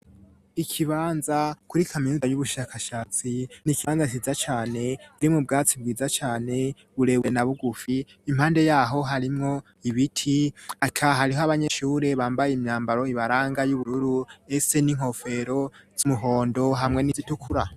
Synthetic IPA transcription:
ikʰiβaːnzakuɾikʰaminuajuβuʃakʰaʃaːt͡sinikiβanzat͡ʃizat͡ʃaːne̞βuɾimŋub̚ɡaːt͡sib̚ɡiːzat͡ʃaːne̞ | βuɾewe̞naβuɡufiː | m̥haːnde̞jaːɦo̞ɦaɾimŋo̞ | iβitʰiakʰaɦaɾiɦoaβaɲe̞ʃuːɾeβaːmbajeimɲaːmbaɾo̞iβaɾaːŋɡajuβuɾuɾue̞se̞niŋ̥ho̞fe̞ɾo̞z̥umuɦo̞ːndo̞ɦamŋe̞nizitukʰuɾa

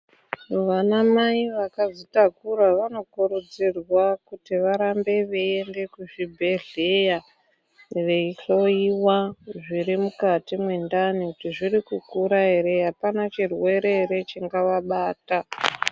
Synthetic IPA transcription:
ʋanamaiʋakazitakuɾaʋano̞kuɾud͡zirwakutiʋaɾambe̞ʋeende̞kuʐibʱe̞ɮeja | ʋe̞iɬo̞iwaʐiɾimukatimwe̞ndanikutiʐirikukuɾaɦe̞ɾeɦapanat͡ʃirwe̞ɾe̞eɾe̞t͡ʃiŋɡaʋaɓaːta

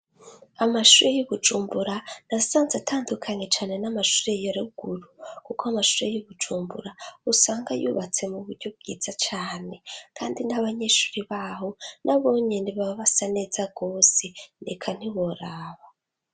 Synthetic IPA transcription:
amaʃuɾejoβud͡ʒuːmbuɾanasaːnzatʰaːndukʰaɲe̞t͡ʃaːne̞namaʃuɾejoɾeuɡ̥uɾukukoamaʃuɾejiβud͡ʒuːmbṵɾausaːŋɡajṵːβat͡se̞muβuɾɟoβɡ̥ḭd͡zat͡ʃaːne̞kʰaːndinaβaɲeːʃu̥ɾiβahonʔaβo̞ːɲe̞niβaβasaned͡zaɡoːsenekʰan̥iβo̞ɾaːβa

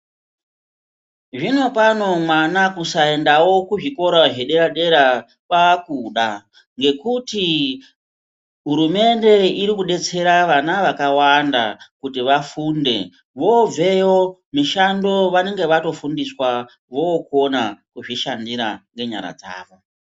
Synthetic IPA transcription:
ʐino̞pano̞mwanakusae̞ndawo̞kuʐiko̞ɾaɦeɗe̞ɾaɗe̞ɾa | paːkuɗa | ŋɡe̞kuti | ɦuɾume̞nde̞iɾikuɗe̞t͡se̞ɾaʋanaʋakawanda̰kutiʋafunde̞ | ʋo̞b͡ve̞jo̞miʃando̞ʋane̞ŋɡe̞ʋato̞fundiswa | ʋo̞kuonakuʐiʃandiɾa̰ŋɡe̞ɲa̰ɾa̰d͡za̰ːʋo

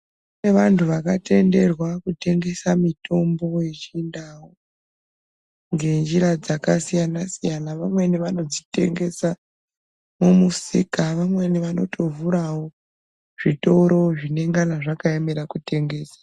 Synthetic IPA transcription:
une̞ʋantʰuʋakate̞nde̞rwakute̞ŋɡe̞samitʰo̞mbo̞jet͡ʃindawo | ŋɡe̞nd͡ʒiɾad͡zakasijanasijanaʋamwe̞niʋano̞d͡zite̞̰ŋɡe̞sa | mumusḭkaʋamweniʋano̞̰tʰo̞vuɾawo̞ | ʐ̥ito̞ɾo̞ʐine̞ŋɡanaʐakaeme̞ɾakute̞ŋɡe̞ːsḁ

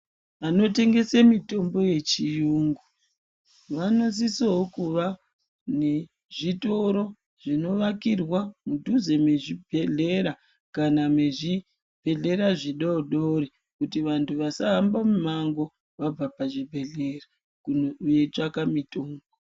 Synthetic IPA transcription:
ʋano̞te̞ŋɡe̞semito̞mbo̞je̞t͡ʃijuːŋɡu | ʋano̞s̬isoɦokuʋa | ne | ʐito̞ɾo̞ | ʐ̥ino̞ʋakirwamudʱuze̞me̞ʐibʱe̞ɮe̞ɾa | kanameʐi | b̥ʱe̞ɮe̞ɾaʐiɗoɗoɾi | kutiʋantʰuʋasaɦambamumaŋɡo̞ | ʋab͡vapaʐibʱe̞ɮera | kujet͡ʂakamitoːmbo

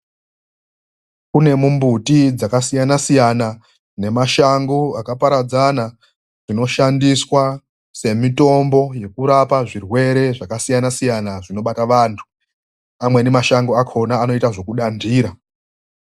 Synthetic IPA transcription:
kune̞mumbutid͡zakasijanasijana | ne̞maʃaŋɡuakapaɾad͡zana | ʐ̥ino̞ʃandiswa | se̞mito̞mbo̞je̞kuɾapaʐirwe̞ɾe̞ʐakasijanasijanaʐino̞ɓataʋantʰu̥ | amwene̞maʃaŋɡoakʰo̞naːno̞itaʐo̞kuɗandiːɾa

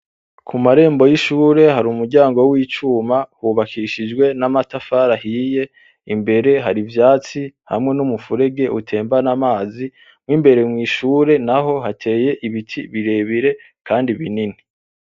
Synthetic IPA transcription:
kʰumaɾe̞ːmbo̞jiʃuːɾe̞ɦaɾumuɾɟaːŋɡo̞wiːt͡ʃuːmahuβakʰiʃid͡ʒɡwe̞namatafaːɾahiːje̞ | imbe̞ɾe̞ɦaɾivjaːt͡siha̰mŋe̞numufuɾe̞ɡe̞ʔutʰe̞ːmbanamaːzi | mwiːmbe̞ɾe̞mŋiːʃuːɾe̞naɦo̞ɦatʰe̞ːje̞ʔiβitʰiβiɾe̞βiɾe̞ | kʰaːndiβinini

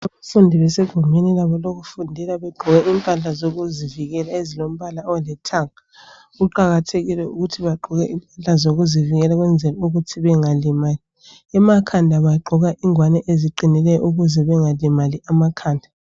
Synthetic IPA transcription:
aβafundʱiβɛseɡ̥ʱumenilaβɔloɣufundʱilaβɛɡ͡ǃʱuɣɛʔimpʼaɬazoɣuziviɣɛlaezilom̩βalaɔwɛlɛtʰaŋa | ɣuǃaɣatʰeɣilɛuɣutʰiβaɡ͡ǃʱuɣɛʔimpʼaɬazoɣuziviɣɛlaɣwɛnd͡zʱɛlɔuɣutʰiβɛŋalɛmaːli | ɛmakʰandʱaβaɡ͡ǃʱuɣaʔiŋwanɛʔeziǃinilɛjɔ̰ʔuɣuzɛβɛŋalɛmaliʔamakʰaːndʱa

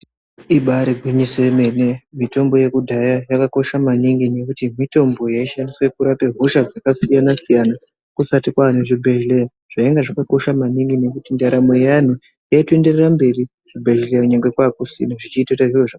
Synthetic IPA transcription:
iɓaɾibʱiɲisoemene̞mito̞mbo̞je̞kudʱajajakako̞ʃamaniŋɡine̞kutimito̞mbo̞jaiʃandiswe̞kuɾape̞ɦoʃad͡zakasijanasijana | kusatikwan̤uʐibʱe̞ʒleja | ʐ̥aeŋɡaʐakako̞ʃamaniŋɡine̞kutindaɾamo̞jan̤u | jaitue̞nde̞rerambe̞ri | ʐ̥ibʱe̞ʒlejakuɲaŋɡwe̞kwakusḭnoʐit͡ʃiːtataʐiroʐa

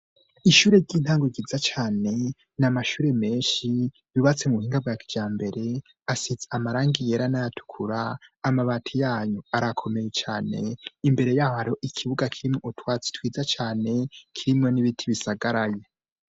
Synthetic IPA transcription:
iʃuːɾeɟiːn̥haːŋɡoɡizat͡ʃaːne̞ | namaʃuːɾe̞me̞ːnʃi | jiβat͡se̞muuhiːŋɡab̚ɡaːkid͡ʒaːmbe̞ɾe̞ | asid͡zeamaɾaːŋɡije̞ɾanajatʰu̥kʰuɾaːmaβaːtʰijaːɲuaɾakʰo̞me̞je̞t͡ʃaːne̞̰imbe̞ɾe̞jaːɾo̞ʔikʰiβuɡakʰiɾimŋo̞ʔutwaːt͡si̥twiːzat͡ʃaːne̞kʰiɾimŋo̞niβitʰiβisaɡaɾaje

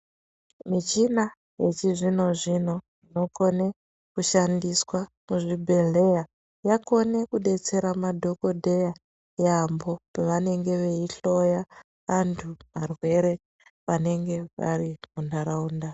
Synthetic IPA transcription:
mit͡ʃina | je̞t͡ʃiʐino̞ʐino̞ʐino̞ko̞ne̞ | kuʃandiswa | muʐibʱeɮe̞ja | jako̞ne̞kuɗe̞t͡se̞ɾamadʱo̞ko̞dʱeja | jambo̞paʋane̞ŋɡe̞ʋe̞iɬo̞ja | ʋantʰumarwe̞ɾe̞ | ʋane̞ŋɡe̞ʋa̰ɾimundaɾauːnda

